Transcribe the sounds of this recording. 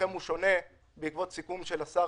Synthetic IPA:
emuʃo̞ne̞ | beikvo̞tsikumʃelasa

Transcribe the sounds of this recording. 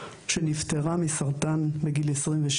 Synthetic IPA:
ʃenift̪eʁamisaʁt̪anbeɡilesʁimveʃ

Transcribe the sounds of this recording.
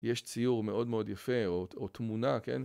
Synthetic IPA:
jeʃt͡sijuʁme̞ʔo̞dmeo̞d̪jafeoot̪munakḛn

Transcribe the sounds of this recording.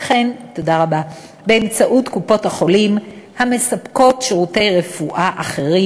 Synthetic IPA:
χento̞daʁaba | be̞emt͡saʔutkupo̞thaχo̞limhame̞sapko̞tʃeʁute̞jʁe̞fuʔaʔaχe̞ʁi

